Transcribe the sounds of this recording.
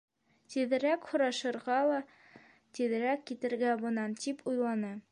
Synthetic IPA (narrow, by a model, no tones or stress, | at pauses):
t̪iðɘ̆ɾækhŏɾɑʃɤ̆ɾʁɑlˠɑ | t̪iðɘ̆ɾækːit̪ɘ̆ɾɡæbɤ̆nɑnt̪ipʰujlˠɑnɤ